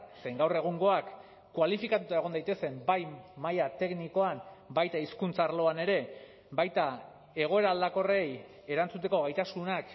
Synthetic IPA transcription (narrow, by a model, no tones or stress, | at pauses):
sejŋɡawre̞ɣ̞uŋɡo̞akː | walifikat̪ut̪ae̞ɣ̞o̞nd̪ajt̪e̞se̞mbajmajat̪e̞kniko̞ambajt̪aiskunt͡saːɾlo̞ane̞ɾe̞ | bajt̪a | e̞ɣ̞o̞e̞ɾaːld̪ako̞re̞j | e̞ɾant͡sut̪̬e̞ko̞ɣ̞ajt̪asunak